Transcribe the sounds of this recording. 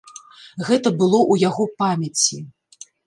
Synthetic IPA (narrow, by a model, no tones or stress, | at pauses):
ɣɛt̪ɐbɨlˠɔʔujaɣɔpamʲɐt͡sʲi